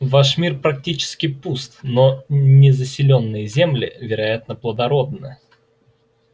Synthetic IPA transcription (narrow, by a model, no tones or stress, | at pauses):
vaʂmʲirpɾɐk̚tʲit͡ɕɪ̥skʲɪpust̪nonʲɪzəsʲɪlʲonːɨjəzʲe̞mlʲɪ̰vʲɪɾɐjat̪nəplˠəd̪ɐɾo̞d̪nɨ